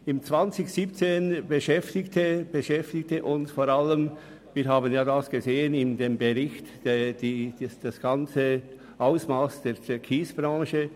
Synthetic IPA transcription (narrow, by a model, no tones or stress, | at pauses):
ɪmt͡sv̥ant͡sɪçsiːp̚t͡seːnbəʃɛftɪktʰəb̥əʃɛftɪk̚təʔʊnsfoːɾaləm | viːɾɦaːbənjaːdasɡ̥əzeːənɪndeːmbəʁɪçtd̥d̥i̥sd̥asɡ̥ant͡sə | ʔaʊsmaːsd̥eːt͡sekʰiːsb̥ʁɑ̃ːʃə